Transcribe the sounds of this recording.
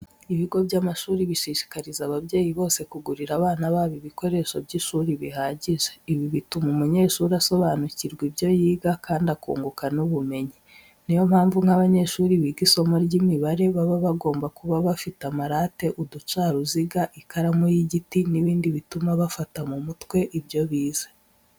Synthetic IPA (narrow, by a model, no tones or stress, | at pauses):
iβiɡo̞bɟaːmaʃuːɾiβiʃiːʃi̥kaɾizaβaβɟe̞ːjiβo̞ːse̞kuɡuɾiɾaβaːnaβaːβiβiko̞ɾe̞ʃobɟiʃuːɾiβihaːɟiʒeiβiβitumumuɲe̞ʃuːɾaso̞βaːnuciɾɡwibjo̞jiːɡakʰaːndakṵːŋɡukanuβume̞ɲi | nijo̞m̥haːɱvuŋhaβaɲe̞ʃuːɾiβiɡiso̞moɾɟimiβaɾe̞βaβaβaɡo̞ːmbakuβaβafitamaɾaːte̞ʔudut͡ʃaːɾuziɡaʔikaɾamujiɟitiniβiːndiβitumaβafatamumutwe̞ʔibjo̞βiːzḁ